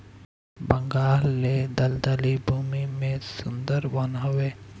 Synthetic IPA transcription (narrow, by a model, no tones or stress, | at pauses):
bɐ̃ŋɡaːlːed̪ɐld̪ɐlibʱumimẽsʊnd̪əɾʋɐnɦʊʋeː